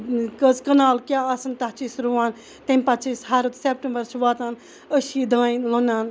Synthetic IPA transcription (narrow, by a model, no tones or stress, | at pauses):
kəzkɐnaːlkʲjaːɐsɨnt̪ɐɦt͡ʃiːsɾuʋaːn | t̪emʲpɐt͡ʃiːsɦaɾut̪sep̚ʈembəɾt͡ʃʰʋaːt̪aːn | əʃiːd̪aːinlonaːn